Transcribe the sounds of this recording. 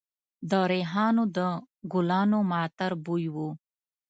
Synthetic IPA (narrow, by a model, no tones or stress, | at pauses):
d̪əɾeɦɑːnod̪ə | ɡʊlɑːnomɑːt̪əɾbujwu